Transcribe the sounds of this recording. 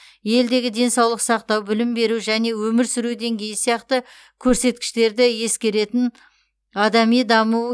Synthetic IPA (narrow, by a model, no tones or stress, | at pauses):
je̞ld̪e̞ɡʲɪd̪e̞nsɑwlˠəqsɑqt̪ɑwbɪlɪmbe̞ɾuʒæne̞wɵmɪɾsʏɾud̪e̞ŋɡʲe̞jɪsijɑqt̪ə | kʲʰɵɾse̞t̪̚kʲɪ̥ʃt̪e̞ɾd̪ɪje̞skʲe̞ɾe̞t̪ɪn | ɑd̪ɑmijd̪ɑmu